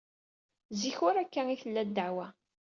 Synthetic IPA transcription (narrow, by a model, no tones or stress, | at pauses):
ziçʊɾækːæŋiθəlːæd̪ːaʕwæ